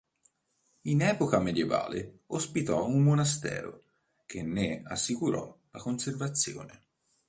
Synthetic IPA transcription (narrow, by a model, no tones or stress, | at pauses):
inɛːpokamed̪jeva̰ːleospit̪ɔumːonast̪ɛ̰ːɾo̰ | k̟enːeasːikuɾɔ̰lakonservat̪sːjo̰ːne